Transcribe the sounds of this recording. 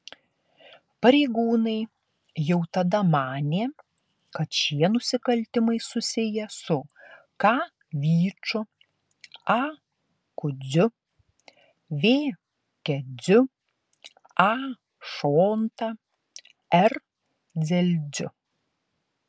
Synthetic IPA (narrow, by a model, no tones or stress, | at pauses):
pɐɾʲɛɪɡuːnɐɪ | jɛʊt̪ɐd̪ɐmɑːnʲeː | kɐt̪ʃʲiɛnʊsʲɪkɐlʲt̪ʲɪmɐɪsʊsʲɪjɛsʊ | kɑː | ʋʲiːt͡ʃʊ | ɑː | kʊd͡z̪ʲʊ | ʋʲeː | kʲɛzʲʊ | ɑː | ʃoːnt̪ɑ | ɛɾ | zʲɛlʲd͡z̪ʲʊ